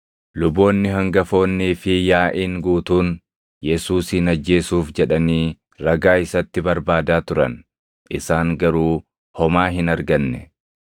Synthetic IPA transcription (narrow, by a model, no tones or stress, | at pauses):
lʊbo̞ːnːɪɦɐŋɡɐfo̞ːnːiːfɪjaːʔiːŋɡuːt̪uːn | jɛsuːsɪnɐd͡ʒːe̞ːsuːfd͡ʒɛᶑɐniː | ɾɐɡaːɪsɐt̪ːɪbɐɾbaːd̪aːt̪ʊɾɐ̰n | ʔɪsaːŋɡɐɾuː | hɔmaːɦɪnɐɾɡɐnːɛ̰